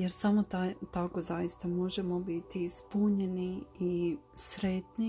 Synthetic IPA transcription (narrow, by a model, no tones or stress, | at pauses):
jeɾsamot̪at̪ako̞zajist̪amo̞ʒe̞mo̞bit̪ispuɲe̞niisɾe̞t̪ni